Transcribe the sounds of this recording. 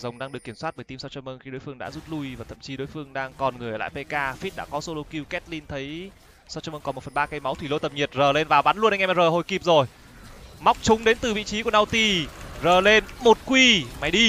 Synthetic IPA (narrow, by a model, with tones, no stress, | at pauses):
zə˨˩wŋ͡mɗaː˧ŋɗɨ˨˩əkːi˧˩swa˦˥ɓəː˧˩jt̪i˧msa˧wt͡ɕɔː˧mʔə˧nxi˧ɗo˨˦jfɨ˧əŋɗa̰ː˧˥zu˦˥t̚lu˧jvaː˨˩t̪ʰə̰˧˨mt͡ɕi˨˦ɗo̰˧˨˦jfɨ˧əŋɗaː˧ŋkɔ˨˩nŋɨ˨˩əjə˨l̰a̰ː˧˨pe˧kaː˧fi˦˥t̚ɗa̰ː˧˥kɔ˨˦so˧lo˧ki˧wkɛ˦˥t̚li˧nt̪ʰə˨˦j | sa˧wt͡ɕaː˧mə˧kɔ˨˦mo˨˩fə˨˩nɓaː˧kə˧jma˨˦wt̪ʰwi˧˩lo̰˧t̪ə˨˩p̚ɲi˨˩ət̚zəː˨˩le˧nvaː˨˩wɓa˨˦nlu˧ənʔŋʔm˧˥zəː˨˩ɦo˧˩jki˨˩p̚zo˨˩j | ma˦˥wk͡p̚t͡ɕʊ˨˦ŋ͡mɗe˨˦nt̪ɨ˨˩vḭ˧˨t͡ɕi˨˦ku˧˩əna˧wt̪i˧zəː˨˩le˧nmo˨˩t̚kwi˧ma˨˦jɗi˧